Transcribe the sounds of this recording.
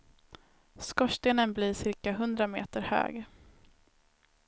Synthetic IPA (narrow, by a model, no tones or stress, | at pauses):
skɔʂt̪eːnənbliːʂɪɾkaɦɵnd̪ɾamḛːt̪əɾhø̰ːɡ